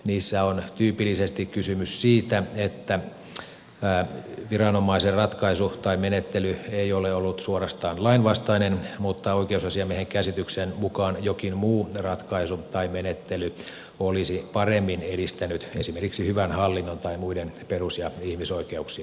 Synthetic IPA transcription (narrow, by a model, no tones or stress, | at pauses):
niːsːæont̪yːpilːisest̪ikkysymyssiːt̪æet̪ːæ | æːʋirɑnomɑiserrɑt̪kɑisut̪ɑimenet̪ːelyeioleolːut̪suorɑst̪ɑːnlɑinʋɑst̪ɑinenmut̪ːɑoikeusɑsiɑmieheŋkæsit̪yksenmukɑːnjokinmuːrɑt̪kɑisut̪ɑimenet̪ːely | olisipɑremːineɾist̪ænyt̪ḛsimerkiksihyʋænhɑlːinːont̪ɑimuidenperusjɑihmisoikeuksiɑ